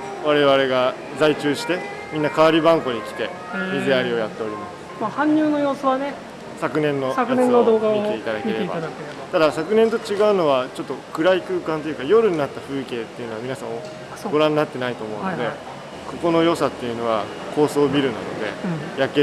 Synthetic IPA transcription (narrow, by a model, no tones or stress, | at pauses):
βaɾe̞βaɾe̞ɡa | d͡zait͡ɕɨːɕi̥t̪e̞ | mʲĩnːakaβaɾʲibãŋko̞ɲ̟ikʲi̥t̪e̞ | mʲizeaɾʲio̞jat̪ːe̞o̞ɾʲimasɨ̥mahãɲ̟ːʲɨːno̞jo̞ːsoβane | sakɯ̟nẽ̞nːo̞k̪ːod̪oːɡakteit̪ad̪ake̞ɾeba̰k | t̪ad̪asakɯ̟nẽ̞nt̪o̞t͡ɕiɡaɯ̟no̞β̞at͡ɕo̞t̪ːokɯ̟ɾaikɯ̟ːkãnt̪o̞jɯ̟kajo̞ɾɯ̟ɲ̟inat̪ːaɸɯ̟ːke̞ːt̪ːejɯ̟no̞amʲinasãɰ̃o | ɡo̞ɾãnːat̪ːe̞nait̪o̞ːmõ̞ːd̪e̞ | ko̞ko̞no̞jo̞sat̪ːe̞jɯ̟no̞βa | kʰo̞ːso̞ːbʲiɾɯ̟na̰no̞̰d̪e̞̰jake